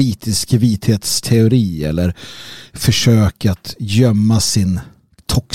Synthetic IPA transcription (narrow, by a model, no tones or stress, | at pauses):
iːt̪ɪskviːt̪heːt̪st̪ʰɛʊɾiːɛ̰lːəɾfœʂøːkat̪jœmːasɪn | t̪ʰɔk